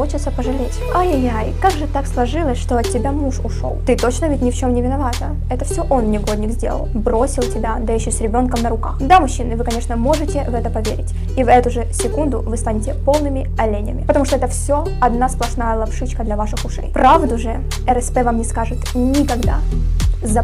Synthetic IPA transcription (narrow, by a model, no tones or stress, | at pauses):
ot͡ɕɪt̪səpəʐɨlʲetʲajajajkaɡʐɨt̪akslˠɐʐɨlˠəsʲʂt̪o̞ɐt̚tʲːɪbʲamuʂʊʂo̰lˠt̪ɨt̪o̞t͡ɕnəvʲɪtʲnʲɪft͡ɕo̞mnʲɪvʲɪnɐvat̪ə | ɛt̪əfsʲoʔo̞nnʲɪɡo̞d̪ʲnʲɪɡzʲdʲḛlˠə̰lˠbɾo̞sʲɪlˠtʲɪbʲad̪ajɪɕːosʲɾʲɪbʲo̞nkəmnəɾʊka̰xd̪amʊɕːinɨvɨkɐnʲe̞ʂnəmo̞ʐɨtʲɪvɛt̪əpɐvʲḛɾʲɪ̰tʲ | ivɛt̪ʊʐɨsʲɪkund̪ʊvɨst̪anʲɪtʲɪpo̞lˠnɨmʲɪ | ɐlʲenʲɪə̰mʲɪ̰pət̪ɐmuʂt̪oɛt̪əfsʲo̞ | ɐd̪nasplˠɐʂnajəlˠɐpʂɨt͡ɕkəd̪lʲɐvaʂɨxʊʂɛ̰jpɾavd̪ʊʐɨ | ɛɾɛspɛvamnʲɪskaʐɨt̪nʲɪkɐɡd̪a̰zɐ